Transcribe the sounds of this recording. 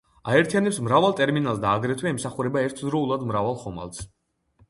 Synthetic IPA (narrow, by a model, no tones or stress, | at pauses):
aɛɾt̪ʰijanɛpsmɾavalˠt̪ʼɛɾminalˠsd̪aːɡɾɛt̪ʰwɛɛmsaχuɾɛbaɛɾt̪ʰd̪ɾɔulˠad̪mɾavalˠχɔma̰lˠs